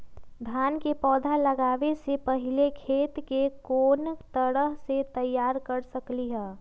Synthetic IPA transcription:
d̪ʱjaːnkepɔːd̪ʱaləɡaːʋesepəɦɪlekʰeːt̪kekoːnt̪əɽəɦset̪əjːaːɾkəɾsəkliɦɛː

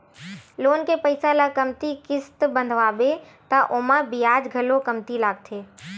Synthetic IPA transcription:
loːnkepəɪsalakəmt̪ikɪst̪bə̃nd̪ʱʋaːbe | t̪aʔoːmãbijaːd͡ʒɡʱəlokəmt̪ilaːɡ̚t̪ʰeː

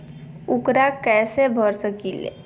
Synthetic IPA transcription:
ʊkɾakɛːsebʱɔɾsəkilḛ

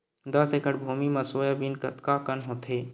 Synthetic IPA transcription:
d̪ɐsekəɽbʱuːmimɐsoːjabinkɐt̪kakənɦõt̪ʰeː

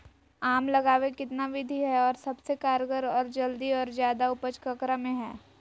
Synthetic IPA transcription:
aːmlɐɡaːʋekɪt̪naʋɪd̪ʱiɦɛɔːɾsɐbsekaːɾɡəɾɔːɾd͡ʒɐld̪iɔːɾzjaːd̪aʊpət͡ʃkɐkɾamẽɦɛː

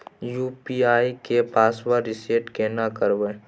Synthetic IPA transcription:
juːpiaːikepaːswaɾɪseːʈkenakəɾʋe

